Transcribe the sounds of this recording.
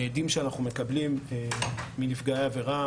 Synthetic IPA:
ed̪imʃeanaχnume̞kɐblimeːinifɡaeave̞ʁa

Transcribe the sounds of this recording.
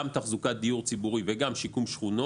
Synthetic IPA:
mt̪aχzukat̪̚d̪ijuʁt͡sibuʁiveɡamʃikumʃχuno

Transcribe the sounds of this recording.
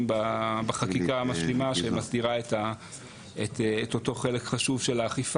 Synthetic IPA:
mbabaχakikaamaʃlimaʃemasdiʁaeta | etʰːtoto̞χe̞le̞kχaʃuvʃe̞laːχif

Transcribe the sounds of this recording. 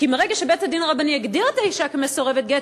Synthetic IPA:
kimeʁeɡaʃebethadinʁabanieɡdiʁetaiʃakemeso̞ʁevet̚ɡe

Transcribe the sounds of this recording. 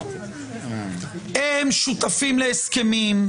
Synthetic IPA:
hemʃut̪afimleeskemim

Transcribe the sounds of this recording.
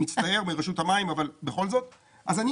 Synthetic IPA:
it͡staje̞ʁmiʁeʃuthamaimavalbeχo̞lzo̞t̪ | ʔazani

